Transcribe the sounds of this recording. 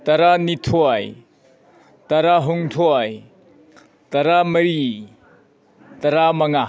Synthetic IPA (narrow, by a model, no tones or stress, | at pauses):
tɐɾanitʰoaj | tɐɾaɦuŋtʰoaj | tɐɾamɐɾi | tɐɾamɐŋa